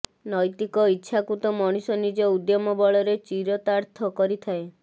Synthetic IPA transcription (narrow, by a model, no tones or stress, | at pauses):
nɔjt̪ikɔitːʃʰakut̪ɔmɔɽ̃isɔnid͡ʒɔud̪jɔmɔbɔɭɔɾet͡ʃiɾɔt̪aɾt̪ʰɔkɔɾit̪ʰae